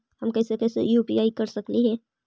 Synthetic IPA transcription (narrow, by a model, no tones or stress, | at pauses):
hɐmkɛːsekɛːsḛjuːpiaːikɐɾsɐkliɦɛː